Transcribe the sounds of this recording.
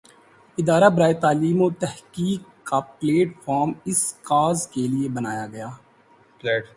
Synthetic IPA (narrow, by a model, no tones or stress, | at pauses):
ɪd̪aːɾabɐɾaːet̪aːliːmot̪ɛhkiːkːapleːʈfɔːɾmɪskaːzkeliebɐnaːjaɡɐjaː